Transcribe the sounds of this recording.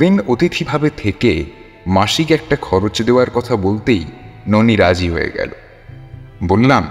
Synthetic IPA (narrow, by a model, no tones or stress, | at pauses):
d̪inot̪it̪ʰibʱabet̪ʰeke | maʃikɛk̚ʈakʰɔɾot͡ɕd̪eoaɾkɔt̪ʰabolt̪ejnoniɾad͡ʑiɦoḛɡɛ̰lo̰ | bolːam